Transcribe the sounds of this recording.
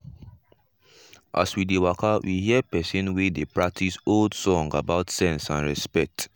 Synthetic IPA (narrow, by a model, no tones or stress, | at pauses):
ʔa̰swidewakʰawʔihiəpɛsɔ̃nwedepɹak̚tʰisoldsɔ̃ŋɡabaʊtsɛ̃nsãnɹɛspɛk̚t